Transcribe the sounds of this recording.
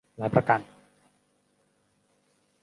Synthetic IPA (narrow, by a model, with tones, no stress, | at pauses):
laː˨˦jpɾa˧ka˧n